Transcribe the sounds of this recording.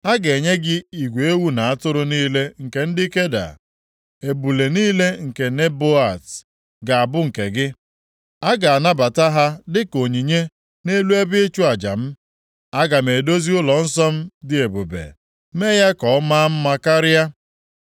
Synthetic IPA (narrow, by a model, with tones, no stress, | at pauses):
a˦ɡe˨ɲe˦ɡɪ˦i˨ɡʷe˨e˦wu˦na˨a˦tʊ˦ɾʊ˦niː˦le˦ŋ̩˨ke˨n̩˦dɪ˦ke˦da̰˨ | e˨bu˨le˨niː˦le˦ŋ̩˨ke˨ne˦bo˦a˨t | ɡa˨a˨bʊ˦ŋ̩˨ke˨ɡɪ˦ | a˦ɡa˨a˨na˦ba˨ta˦ɦa˦dɪ˦ko˨ɲi˨ɲe˦ | ne˦lu˦e˦bɪ˦ɪ˦t͡ʃu˦a˨d͡ʒa̰˨m̩˦ | a˦ɡa˨me˨do˦zi˦ʊ˦lɔ˨n̩˦sɔ˦m̩˦dɪ˦e˨bo˨bḛ˨ | me˦ja˦kɔ˨˦ma˦m̩˦ma˦ka˦ɾɪ˦a˦